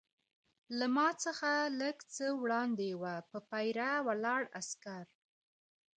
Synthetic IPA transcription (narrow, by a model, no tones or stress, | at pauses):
lamɑt͡səxaləɡt͡səwɽɑnd̪ewapəpajɾawalɑɽa̰skaɾ